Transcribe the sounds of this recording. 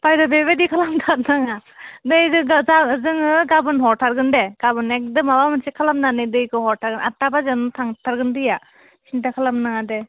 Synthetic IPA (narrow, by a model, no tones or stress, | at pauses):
pajdɔbebedikʰalamtʰat̚naŋanɯjdɯzazɯŋɯɡabɯnɦɔɾtʰaɾɡɯndɛɡ̥abɯnɛk̚dɯmawamɯnsekʰalamnanɯjdɯjkɯɦɔɾtʰaɾɡɯna̰tːabazantʰaŋtʰaɾɡɯndɯja | sintakʰalamnaŋadɛ